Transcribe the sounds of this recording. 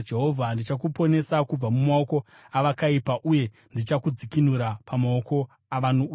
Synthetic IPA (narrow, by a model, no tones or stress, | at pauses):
d͡ʒe̞ɦo̞vʱandit͡ʃakupo̞ne̞sakub͡vamumao̞ko̞ | aʋakaipaʔuje̞ | ndit͡ʃakud͡zikinuɾapamao̞ko̞ | aʋano